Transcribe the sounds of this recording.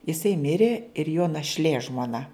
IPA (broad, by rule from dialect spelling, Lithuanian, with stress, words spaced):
jɪˈsɐɪ ˈmʲɪrʲeː ɪr joː nɐʃʲˈlʲeː ʒmoːˈnɐ